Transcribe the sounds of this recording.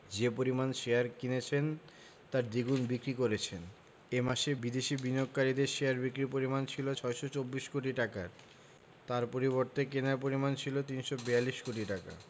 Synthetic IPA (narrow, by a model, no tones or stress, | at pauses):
d͡ʑepoɾimanʃejaɾkinet͡ɕʰen | t̪aɾd̪iɡunbikɾikoɾet͡ɕʰen | emaʃebid̪eʃibiniok̚kaɾid̪eɾʃejaɾbikɾipoɾimant͡ɕʰilot͡ɕʰɔeʃot͡ɕobːiʃkoʈ̬iʈaka̰ɾ | t̪aɾpoɾiβoɾt̪ekenaɾpoɾimant͡ɕʰilot̪inʃobealːiʃkoʈ̬iʈaka̰